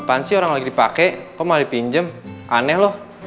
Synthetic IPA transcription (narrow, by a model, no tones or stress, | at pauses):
pansioɾaŋlaɡidipakɛkɔmalipiɲd͡ʒəmʔanɛhlɔh